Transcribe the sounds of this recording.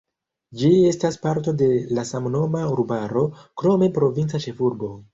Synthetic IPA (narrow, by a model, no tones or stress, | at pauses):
d͡ʒie̞staspaɾto̞de̞lasamno̞mauɾbaɾo̞kɾo̞me̞pɾo̞vint͡sat͡ʃe̞fuɾbo̞